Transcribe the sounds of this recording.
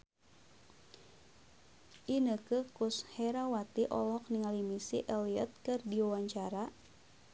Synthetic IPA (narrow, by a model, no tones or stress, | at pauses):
ʔinəkɨkushɛɾawat̪iʔɔ̰lɔk̚niŋalimisiʔɛliət̪̚kɨrdiwawaɲt͡ʃaɾa